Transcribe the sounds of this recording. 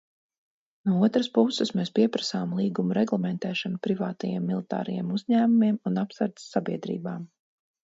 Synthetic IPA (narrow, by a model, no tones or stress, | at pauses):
nuɔuɔt̪ɾaspusɨsmeːspiɛpɾasaːmlˠiːɡumuɾɛɡlˠɛmɛnt̪ɛːʃɔnupɾivaːt̪ajḛɛmːilˠit̪a̰ːɾɐjḛːmuzɲæːmumiɛmunapsaɾt̪sːabiɛd̪ɾḭːbaːm